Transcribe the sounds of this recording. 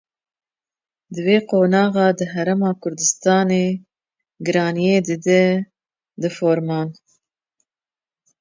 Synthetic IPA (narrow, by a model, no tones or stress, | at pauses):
d̪ɨveːqoːnɑːɣɑːd̪ɨɦæɾɛmɑːkʰʊɾd̪ɨst̪ɑːneː | ɡɨɾɑːnijeːd̪ɨd̪ɛ | d̪ɨfoːɾmɑːn